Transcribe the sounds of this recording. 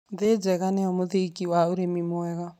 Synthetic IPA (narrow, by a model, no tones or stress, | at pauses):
ðed͡ʒɛɣanɛɔmʊðekiwauɾemimʊɛɣa